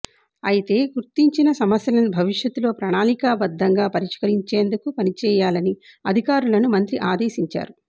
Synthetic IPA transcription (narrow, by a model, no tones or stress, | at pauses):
ɐjit̪e̞ːɡuɾt̪iɲt͡ʃinɐsɐmɐsjɐlɐnubʱɐʋiʂjɐt̪ːulo̞ːpɾɐɳaːnikɐbɐd̪ːɐŋɡaːpɐɾiʂkɐɾiɲt͡ʃe̞ːnd̪ukupɐnit͡ʃɛːjaːlɐniɐd̪ʱikaːɾulɐnumɐnt̪ɾiʔaːd̪e̞ːsiɲt͡ʃa̰ːɾu